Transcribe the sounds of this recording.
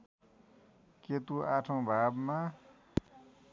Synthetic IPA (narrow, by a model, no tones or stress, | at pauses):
ket̪uaʈʰõbʱaːbmã